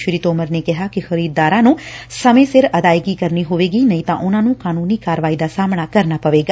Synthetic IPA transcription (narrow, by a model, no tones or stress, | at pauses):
ʃɾiːt̪oːməɾneːkɪɦaːkɪxəɾiːd̪d̪aːɾãːnũːsəmẽːsɪɾəd̪aːɪɡiːkəɾniːɦoʋeːɡiːnəĩːt̪ãːʔʊnãːnũːkaːnuːniːkaːɾəʋaːiːd̪aːsaːmɳ̃aːkəɾnaːpəʋeːɡaː